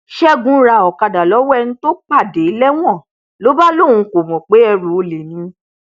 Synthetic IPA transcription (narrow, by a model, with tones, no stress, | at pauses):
ʃɛ˦ɡũ˨˦ɾa˧˨ɔ˨ka˧da˨lɔ˨˦wɔ˦ɛ˧nũ˦to˦k͡pa˦˨de˨˦lɛ˦w̃ɔ̃˦˨ | lo˦ba˦lo˦˨ũ˧˦ko˨mɔ̃˨k͡pe˨˦ɛ˧ɾu˨˦o˧le˨nĩ˨˧˦